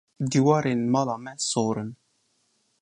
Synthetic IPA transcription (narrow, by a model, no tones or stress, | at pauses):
d̪iwaɾinmalamɛsoɾən